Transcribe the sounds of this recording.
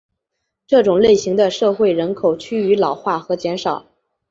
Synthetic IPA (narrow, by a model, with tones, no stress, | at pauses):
ʈ͡ʂɤ˥˩ʈ͡ʂʊ˨˩ŋle˥˩ɪɕi˧˥ŋd̪ə˧ʂɤ˥˧xwe˥˩ɪɻə˧˥nkʰo˨˩ʊt͡ɕʰy˥y˧˥lɑ˨˩ʊxwa˥˩xɤ˧˥t͡ɕjɛ˧˥nʂɑ˨˩˦ʊ